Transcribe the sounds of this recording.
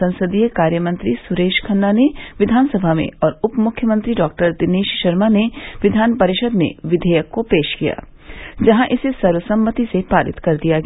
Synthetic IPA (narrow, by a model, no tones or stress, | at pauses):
ɐ̃nsəd̪ijekaːɾjəmɐ̃nt̪ɾisʊɾeːʃkʰɐnːaneʋɪd̪ʱaːnsɐbʱamḛ̃ɔːɾʊpmʊkʰːjəmə̃nt̪ɾiɖɔːk̚ʈəɾd̪ɪneːʃʃɐɾmaneʋɪd̪ʱaːnpɐɾɪʃəd̪mḛ̃ʋɪd̪ʱəjəkːopeːʃkija̰ː | d͡ʒɐɦãʔɪsesɐɾʋəsɐ̃mːət̪isepaːɾɪ̰t̪kɐɾd̪ijaɡ